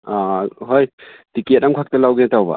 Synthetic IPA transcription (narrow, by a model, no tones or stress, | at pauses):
aɦojtiket̚amkʰak̚tɐlawɡinatawba̰